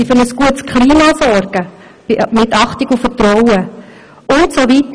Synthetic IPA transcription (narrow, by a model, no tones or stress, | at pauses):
ifʏɾnəsɡ̥uətskʰχliːmɑsɔɾɡ̥ə | mɪtɑχtɪɡufətɾɔwə | ʔʊntsovit̪